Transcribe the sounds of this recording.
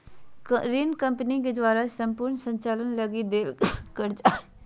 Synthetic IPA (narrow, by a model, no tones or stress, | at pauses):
ɾinkəmpəniked̪ʋaːɾasəmpʊɾɳsə̃ɲt͡ʃaːlənləɡid̪eːlkəɾd͡ʒa